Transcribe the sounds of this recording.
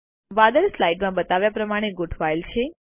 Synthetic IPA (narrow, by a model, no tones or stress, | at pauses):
ʋad̪əɾslajʈmãbət̪aʋjapɾəmaɽ̃eɡʊɖʋajlt͡ʃʰe